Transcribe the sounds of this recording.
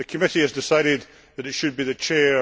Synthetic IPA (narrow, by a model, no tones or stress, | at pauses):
əkʰəmɪʔiɨzdɪsaɪɾɪd̪̚ | ðəɾɪtʃɨd̚biðɨt͡ʃʰɛ